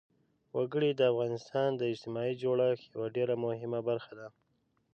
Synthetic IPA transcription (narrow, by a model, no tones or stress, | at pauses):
waɡəɽid̪əafɣɑnɪst̪ɑnd̪əɪd͡ʒt̪ɪmɑid͡ʒoɽaxjawaɖeɾamʊhɪmabaɾxad̪a